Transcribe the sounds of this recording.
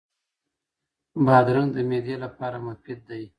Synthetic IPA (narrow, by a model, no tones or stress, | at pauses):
bɑd̪ɾaŋd̪əmed̪jelapɑɾamʊfid̪̚ːaj